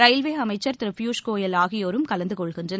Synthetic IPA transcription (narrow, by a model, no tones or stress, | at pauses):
ɾɐɪlʋeːɐmɐɪt͡ʃːɐɾt̪ɪɾɐfjuːʂkoːjɐlaːɣɪjoːɾɯmkɐlɐnd̪ɯkɔɭɣɪndrɐn